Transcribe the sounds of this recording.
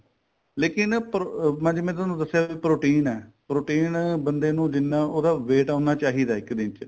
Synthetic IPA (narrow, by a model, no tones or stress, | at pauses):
leːkɪnpɾomãːd͡ʒːmɛ̃ːt̪ʊaːnũːd̪əsːɪjaːiːpɾoːʈiːnɛːpɾoːʈiːnbənd̪eːnũːd͡ʒɪnːãːoːd̪aːʋeːʈãːnaːt͡ʃaːɦiːd̪aːɪkd̪ɪ̃nt͡ʃ